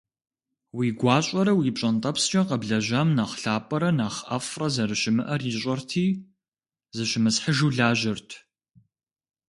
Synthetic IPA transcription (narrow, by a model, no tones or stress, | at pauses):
wiːɡʷɑːɕʼɐɾɐwiːpɕʼɐntʼɐpst͡ʃʼɐqɐbɮɐʑɐmnaχɬaːpʼɐɾɐnaːχʔɐfrɐzɐɾɨʃɪmɨʔɐrjiɕʼɐrtʰiː | zɨʃɪmɨsħəʒuːɮaːʑɪrtʰ